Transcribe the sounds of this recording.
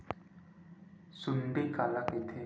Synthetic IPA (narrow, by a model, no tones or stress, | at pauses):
sunpekalaket̪ʰe